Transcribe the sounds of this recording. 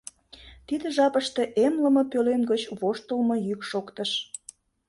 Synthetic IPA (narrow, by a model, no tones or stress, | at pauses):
t̪id̪əʒɑpəʃt̪e̽ʔemləməpølenɡət͡ɕβoʃt̪əlmɤ̆jykʃokt̪əʃ